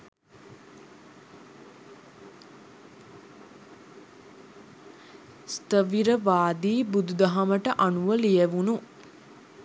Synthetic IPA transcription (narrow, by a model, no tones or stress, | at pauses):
st̪əʋiɾəʋaːd̪iːbud̪ud̪ɐɦɐməʈəʔanuʋəlijeʋunu